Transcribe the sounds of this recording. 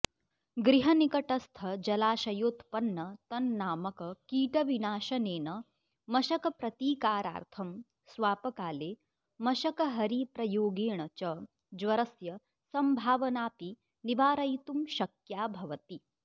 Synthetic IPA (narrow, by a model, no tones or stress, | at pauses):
ɡɾiɦɐnikɐʈɐst̪ʰɐd͡ʒɐlaːʃɐjoːt̪pɐnːɐt̪ɐnːaːmɐkɐkiːʈɐʋinaːʃɐneːnɐ | mɐʃɐkɐpɾɐt̪iːkaːɾa̰ːɾt̪ʰɐm | sʋaːpɐkaːleː | mɐʃɐkɐɦɐɾipɾɐjoːɡeːɳɐt͡ʃɐ | d͡ʒʋɐɾɐsjɐ | sɐmbʱaːʋɐnaːpi | niʋaːɾɐjt̪umʃɐkjaːbʱɐʋɐt̪i